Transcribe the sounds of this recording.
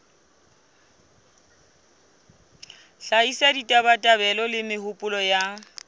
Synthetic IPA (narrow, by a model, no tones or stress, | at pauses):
ɬaisaditʼabatʼabɛlɔlɪmɪhʊpʼʊlɔja